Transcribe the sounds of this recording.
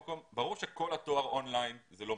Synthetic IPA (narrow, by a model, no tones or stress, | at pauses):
ko̞mbaʁuʁʃeko̞lhato̞aʁo̞nlajnzelo̞